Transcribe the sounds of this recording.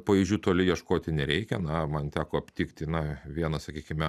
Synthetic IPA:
pɐʋʲiːʒʲd͡ʒʲuːt̪oːlʲɪjiɛʃkoːt̪ʲɪnʲɛɾʲɛɪkʲɛnɐmɐnt̪ʲæːkoːɐpʲt̪ʲiːkt̪ʲɪnɐʋʲiɛnɐsɐkʲiːkʲɪmʲɛ

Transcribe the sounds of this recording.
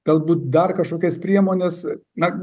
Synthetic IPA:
ɡ̥ɐlˠbuːt̪̚d̪ɐrkɐʃkoːkʲɛspʲɾʲiɛmoːnʲeːsnɐ

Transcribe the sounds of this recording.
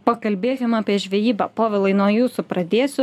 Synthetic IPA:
pɐkɐlʲbʲeːkʲɪmɑːpʲiɛʒʲʋʲɛjiːbɐpoːʋʲɪlˠɐɪnuɔjuːsʊpɾɐd̪ʲeːsʲʊ

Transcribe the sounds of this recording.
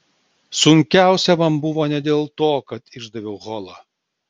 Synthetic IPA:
sʊŋʲkʲæˑʊsʲɛmɐmbʊʋoːnʲɛd̪ʲeːlˠt̪oːkɐt̪ɪʒd̪ɐʋʲɛʊɣɔlˠɐ

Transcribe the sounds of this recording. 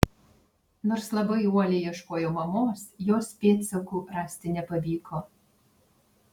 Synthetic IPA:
noːɾslˠɐbɐɪuɔlʲɛɪjiɛʃkoːjoːmɐmoːsjoːspʲeːt̪sʲokuːɾɑːsʲt̪ʲɪnʲɛpɐʋʲiːkʰoː

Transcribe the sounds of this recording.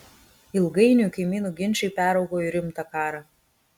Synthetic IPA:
ɪlˠɡɐɪnʲukɐɪmʲiːnuːɡʲɪnʲt͡ʃʲɛɪpʲæːɾɐʊɡoːjiɾʲɪmt̪ɑkɑːɾɑ

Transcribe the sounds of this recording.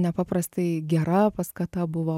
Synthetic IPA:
nʲɛpɑːprɐst̪ɐɪɡʲɛɾɐpɐskɐt̪ɐbʊʋoː

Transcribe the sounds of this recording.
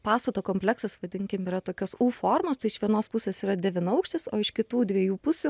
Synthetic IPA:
pɑːst̪ɐt̪oːkoːmʲpʲlʲɛksɐsʋɐd̪ʲɪŋʲkʲɪmiːɾɐt̪oːkʲosuːfoːrmoːst̪ɐɪɪʃʋʲiɛnoːspʊsʲeːsiːɾɐd̪ʲɛʋʲɪnɐʊkʃʲt̪ʲɪsoːɪʃkʲɪt̪uːd̪ʲʋʲiɛjuːpʊsʲʊ

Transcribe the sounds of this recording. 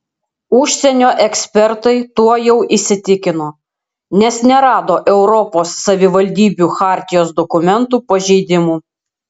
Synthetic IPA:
ʊʃʲsʲɛnʲoːʔɛksʲpʲɛɾt̪ɐɪt̪uɔjɛʊʔisʲɪt̪ʲɪkʲɪnoː | nʲɛsnʲɛɾɑːd̪oːʔɛʊɾɔpoːsːɐʋʲɪʋɐlʲd̪ʲiːbʲuxɑːˑɾʲt̪ʲɪjoːsd̪ɔkʊmʲɛnt̪uːpɐʒʲɛɪd̪ʲɪmuː

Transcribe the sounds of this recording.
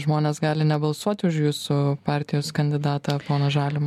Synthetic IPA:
ʒmoːnʲeːsɡɑːlʲɪnʲɛbɐlˠsuɔt̪ʲɪʊʃjuːsʊpɑːɾʲt̪ʲɪjoːskɐnʲd̪ʲɪd̪ɑːt̪ɐpoːnoːʒɑːlʲɪmː

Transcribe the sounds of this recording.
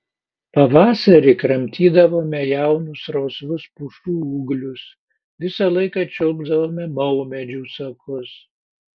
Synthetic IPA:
pɐʋɑːsɐɾʲɪkɾɐmʲt̪ʲiːd̪ɐʋoːmʲɛjæˑʊnʊsɾoːsʋʊspuʃt̪uːuːɡlʲʊs | ʋʲɪsɐlˠɐɪkɑt͡ʃʲɔʊɡzd̪ɐʋoːmʲɛmɐʊmʲɛd͡ʒʲuːsɐkʰʊs

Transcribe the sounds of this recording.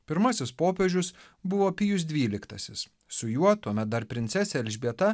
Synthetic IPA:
pʲɪɾmɐsʲɪspoːpʲɛʒʲʊs | bʊʋoːpʲijʊs̬d̪ʲʋʲiːlʲɪkt̪ɐsʲɪs | sʊjuɔt̪uɔmʲɛt̪̚d̪ɐɾpʲɾʲɪnt̪sʲɛsʲɛɛlʲʒʲbʲiɛt̪ɐ

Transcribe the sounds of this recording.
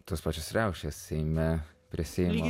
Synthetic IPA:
t̪oːspɑːt͡ʃʲosɾʲɛʊʃʲeːssʲɛɪmʲɛpʲɾʲɪsʲɛːmo

